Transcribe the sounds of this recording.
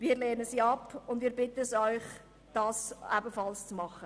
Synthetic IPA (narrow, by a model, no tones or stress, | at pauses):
viːɾleːnəsiːɑpʊndviːɾbɪtəsɔʏχ | d̥ɑːsæbəfɑlst͡smɑχə